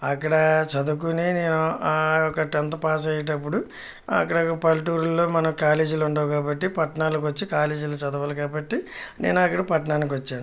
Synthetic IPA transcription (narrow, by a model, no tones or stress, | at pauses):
ɐkːɐɽɐt͡ʃɐd̪uk̬unine̞ːnuaɔkɐʈɐnt̪̬ɐpaːs̬ɐjɐʈ̬ɐp̬ːuɽu | ɐ̰kːɐɽɐɐpɐlʈuːɾulːo̞ːmɐnɐmkaːleːd͡ʒuluɳɖaːwkaːbɐʈːipɐʈɐɳaːlɐkʋɐt͡ʃːikaːleːd͡ʒulɐt͡ʃɐd̪ɐʋɐːlɐkaːbɐʈːinḛːnuɐkːɐɽɐpɐʈɐɳaːnik̬iʋɐt͡ʃːaːnu